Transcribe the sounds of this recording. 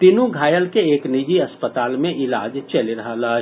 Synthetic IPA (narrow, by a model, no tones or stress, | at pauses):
t̪inũɡʱaːjəlkeeknid͡ʒiəspət̪aːlmẽʔɪla̰ːd͡ʒt͡ʃəliɾəɦala